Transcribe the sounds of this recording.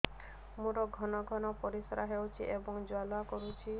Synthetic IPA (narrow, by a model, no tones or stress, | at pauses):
mũɾɔɡʱɔnɔɡʱɔnɔpɔɾisɔɾaɦewt͡ʃʰiʔebɔŋd͡ʒwalakɔɾut͡ʃʰi